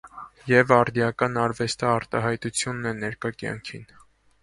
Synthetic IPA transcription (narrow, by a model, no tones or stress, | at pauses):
jɛvɑɾd̪jɑkɑnɑɾvɛst̪ɑːɾt̪ɑɦɑjt̪ut͡sʰjunːɛnɛɾkɑkjɑ̰ŋkʰḭn